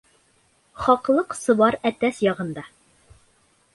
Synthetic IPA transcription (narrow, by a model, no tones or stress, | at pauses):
χɒqlˠɤqsɤ̆βɑɾæt̪æsjɑʁɤ̆nd̪ɑ